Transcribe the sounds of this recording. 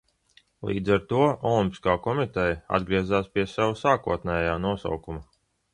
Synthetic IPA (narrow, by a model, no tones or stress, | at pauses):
lˠḭːd̪zaɾt̪uɔɔlˠimʲpʲi̥skaːkɔmit̪ɛjɐa̰d̪ɡɾiɛzaːspʲiɛsawusaːkuɔt̪nɛːjaːnuɔsa̰wkumɐ